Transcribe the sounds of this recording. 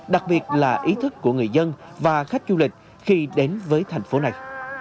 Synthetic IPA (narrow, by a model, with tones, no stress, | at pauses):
ɗa˨˩k̚ɓi˨˩ət̚laː˨˩ʔi˨˦t̪ʰɨ˦˥kːu˧˩əŋɨ˨˩əjzə˧nvaː˨˩xa˦˥jk̟̚zu˧lï˨˩k̟̚ | xi˧ɗe˨˦nvəː˨˦jt̪ʰa˨˩jŋ̟fo˨˦na˨˩j